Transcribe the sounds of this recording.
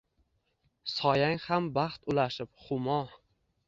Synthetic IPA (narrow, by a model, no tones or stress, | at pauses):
sɒjaŋhambaχt̪ʊlaʃɪpχʊmɒ